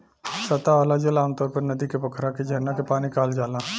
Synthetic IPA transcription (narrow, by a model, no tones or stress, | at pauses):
sɐt̪aɔːlad͡ʒɐlaːmt̪ɔːɾpɐɾnɐd̪ikebɐkʰɾaked͡ʒʱɛːnakepaːnikaːld͡ʒaːlãː